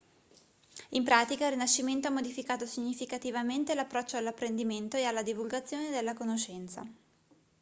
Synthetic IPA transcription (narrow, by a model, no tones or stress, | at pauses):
impɾaːt̪ikailrːinaʃːiment̪oamːod̪ifikaːt̪osiɲːifikat̪ivament̪elapːɾɔt͡ʃːoalːapːɾend̪iment̪oealːad̪ivulɡat̪sːjoːned̪elːakonoʃɛnt̪sa̰